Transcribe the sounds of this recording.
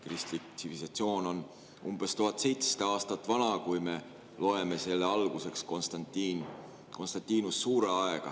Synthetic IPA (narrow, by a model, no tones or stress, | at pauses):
krist̪lik̪sivilsɑt̪sio̞ːno̞n | umb̥e̞st̪uɦɑt̪ˑse̞jt̪se̥t̪ɑɑːst̪ɑt̪ːˑvɑnɑkujme̞ | lo̞e̞me̞se̞lːeɑlɡ̥use̞kskonst̪ɑt̪i | ko̞nst̪ɑnt̪ːiːnusːuːɾe̞ɑe̞ɡ̥ɑ̰